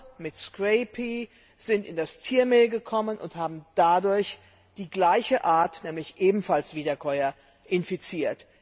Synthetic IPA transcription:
mɪtskʁ̥ɛɪpʰi | z̥ɪntɪndastʰiːɐmeːlɡəkʰɔmənʔʊ̰nthaːbm̩d̥adʊɐç | d̥iːɡlaɪçəʔaːɐtnɛːmlɪçʔeːbm̩falsv̥iːdɐkʰɔʏɐ | ʔɪnfit͡siːɐt

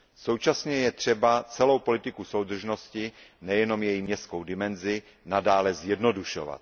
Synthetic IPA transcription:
so̞wt͡ʃasɲɛjɛt̪r̝̥ɛbat͡sɛlo̞wpo̞lɪt̪ɪkuso̞wd̪r̩ʒno̞scɪnɛjɛno̞mjɛjimɲɛst̪kowdɪmɛnzɪ | nadaːlɛzjɛdno̞duʃo̰va̰t̪̚

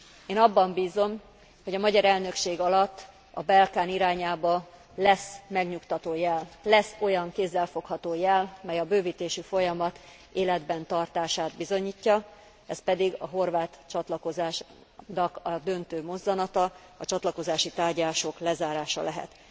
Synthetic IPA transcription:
eːnɒbːɒmbiːzo̞m | ho̞ɟɒmɒɟɒɾɛlnø̞kʃeːɡɒlɒt̪ː | ɒbɛlkaːniɾaːɲaːbɒ | lɛsmɛɡɲukt̪ɒt̪oːjɛllɛso̞jɒŋkeːzːɛlfo̞khɒt̪oːjɛlmɛjɒbøːviːt̪eːʃyfo̞jɒmɒt̪ | eːlɛd̪bɛnt̪ɒrt̪aːʃaːd̪bizo̞ɲiːcːɒ | ɛspɛd̪iɡɒɦo̞rvaːt̪t͡ʃɒt̪lɒko̞zaːʃ | nɒkɒd̪ø̞nt̪øːmo̞zːɒnɒt̪ɒ | ɒt͡ʃɒt̪lɒko̞zaːʃit̪aːrɟaːʃo̞klɛzaːɾaːʃɒ̰lɛɦɛ̰t̪

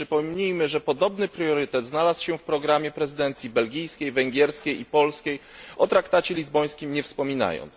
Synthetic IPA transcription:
ʂɘpɔmɲijmɘʐɛpɔd̪ɔbnɘpɾjɔɾɘt̪ɛd̪znalaswɕɛfpɾɔɡɾamʲjɛpɾɛzɘd̪ɛnt̪sʲjibɛlɡʲijskʲejvɛŋɡʲjɛɾskʲejipɔlskʲej | ʔɔt̪ɾakt̪at͡ɕɛlʲizbɔj̃skʲimɲɛfspɔmʲina̰jɔ̰nt̪s

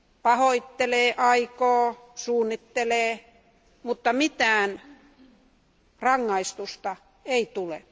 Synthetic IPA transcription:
pɑhoit̪ːeleːʔɑikoː | suːnːit̪ːeleː | mut̪ːɑmit̪æːn | rɑŋːɑist̪ust̪ɑ | eit̪ulḛ

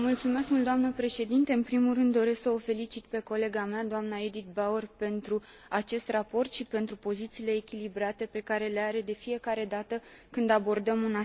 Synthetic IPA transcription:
mult̪sume̞skmuld̪oamnəpɾe̞ʃe̞d̪int̪e̞ɨnpɾimulrɨnd̪ːo̞ɾe̞sksəofe̞lit͡ʃit̪pe̞ko̞le̞ɡamead̪oamnaed̪it̪̚bawerpe̞nt̪ɾu | at͡ʃe̞st̪rapo̞rt̪ʃipe̞nt̪ɾupo̞zit̪siːle̞ːkʲilibɾat̪e̞pe̞kaɾe̞le̞aɾe̞d̪e̞fije̞kaɾe̞d̪at̪əkɨnd̪abo̞rd̪əmuna

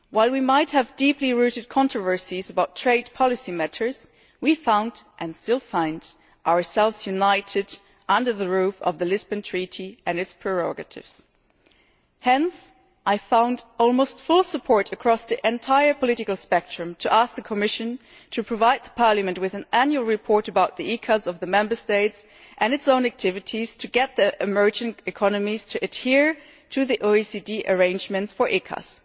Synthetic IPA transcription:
waɪlˠwimaɪt̚hɨvdipliɹʉɾɨd̚kʰɑ̃ntɹ̥ɨvɜ˞sizəbaʊtʰɹ̥eɪd̚pʰɑlˠɨsimæɾʰə˞z̥ | wifãʊ̃ndʔɨ̃nstɪlˠfãʊ̃nd | ʔaʊə˞sɛlˠvz̥jʉnaɪɾɨd | ʌ̃ndə˞ðəɹʉfʌ̰vðɨlɪzbɨ̃ntʰɹ̥iɾiʔɨ̃nɨtspʰɹ̥ɨɹɔ̰ɡɨɾɪ̰vz̥ | hɛ̃ns | ʔaɪfãʊ̃ndɔlˠmoʊstfʊlˠsəpʰɔɹɾɨkʰɹ̥ɔsðiʔɨ̃ntʰaɪə˞pʰəlɪɾɨkl̩ˠspɛk̚tɹ̥ɨ̃mtʰɨʔæsk̚ðɨkʰəmɪʃɨ̃n | tʰɨpʰɹ̥ɨvaɪd̪̚ðəpʰɑɹlɨmɨ̃nʔ̚wɨðɨ̃næ̃njʉl̩ˠɹɨpʰɔɹɾɨbaʊt̪̚ðiikʰəzʌvðɨmɛ̃mbə˞steɪts | ʔɨ̃nɨtsõʊ̃næk̚tʰɪvɨɾiz̥tʰɨɡɛt̪̚ðiɨmɜ˞d͡ʒɪ̃ŋɨkʰɑnɨmiz̥tʰɨʔɨd̚hiɹ | ɾʰɨðiʔoʊisidiʔə˞ẽɪ̃nd͡ʒmɨ̃ntsfə˞ʔikʰə̰z̥

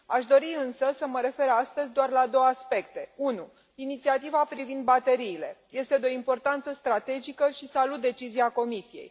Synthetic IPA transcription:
aʃd̪o̞ɾiɨnsəsəməɾe̞fe̞ɾast̪əzʲd̪oarlad̪o̞wəaspe̞kt̪e̞unu | init̪siat̪ivapɾivind̪̚bat̪e̞ɾiːle̞je̞st̪ed̪eo̞impo̞rt̪ant̪səst̪ɾat̪e̞d͡ʒikəʃisalut̪̚d̪e̞t͡ʃiziako̞misijḛj

